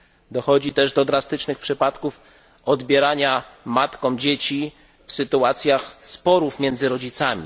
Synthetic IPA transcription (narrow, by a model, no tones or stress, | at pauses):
d̪ɔxɔd͡ʑit̪ɛʐd̪ɔd̪ɾast̪ɘt͡ʂnɘxpʂɘpat̪kuf | ɔd̪bʲjɛɾaɲamat̪kɔ̃w̃d͡ʑet͡ɕi | fsɘt̪uat̪sʲjaxspɔɾufmʲjɛnd̪zɘɾɔd͡ʑit̪samʲḭ